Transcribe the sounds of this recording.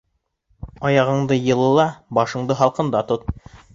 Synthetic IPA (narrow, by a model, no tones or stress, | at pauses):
ɑjɑʁɤ̆ɴd̪ɤjɤ̆lˠɤ̆lˠɑbɑʃɤ̆ɴd̪ɤɦɑlˠqɤ̆nd̪ɑt̪ot̪̚